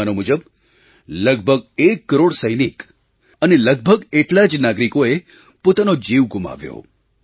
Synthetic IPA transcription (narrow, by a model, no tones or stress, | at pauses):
anomud͡ʒəb | ləɡ̚bʱəɡ̚ekːəɾoɽsəjnik | əneləɡ̚bʱəɡeʈlad͡ʒnaɡɾikoe | pot̪anod͡ʒiʋɡuma̰ʋjo̰